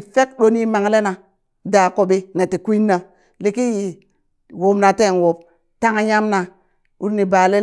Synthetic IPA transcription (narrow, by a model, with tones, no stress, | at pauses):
fe˦kɗo˦ni˦ma˨ŋ˦le˦na˨ | da˨ko˨be˦ne˨ti˨kʷi˦nːa˨ | li˨ki˦ji˨ | wo˨˦mna˨te˦˨n˨wo˨b̚ | ta˦ŋa˦ja˦mna˨ | u˦ɾni˨ba˨le˦